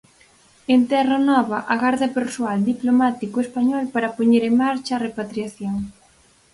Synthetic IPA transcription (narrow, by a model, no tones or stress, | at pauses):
ent̪ɛrɐnɔβɐʔɐɣaɾðɐpeɾsuald̪iplomat̪ikʊespaɲɔlpaɾɐpoɲeɾeŋmaɾt͡ʃɐːrepat̪ɾiaθjoŋ